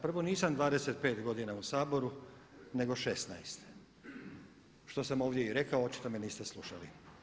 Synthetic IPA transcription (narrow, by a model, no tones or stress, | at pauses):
pr̩ʋo̞niːsamd̪ʋaːd̪eset̪̚pe̞ːt̪ɡo̞d̪inausaːbo̞ɾune̞ɡo̞ʃe̞snajst̪ | ʃt̪o̞samo̞ːʋd̪je̞iɾe̞kaoott͡ʃi̥t̪o̞meniːst̪e̞slˠuʃalḭ